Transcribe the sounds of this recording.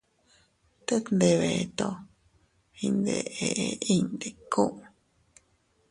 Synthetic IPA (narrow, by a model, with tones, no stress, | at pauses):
t̪e˦nd̪e˧βe˨˧t̪o˧ | hi˧nd̪e˧ʔe˨ʔe˧i˦nd̪e˨kũ˦ʔ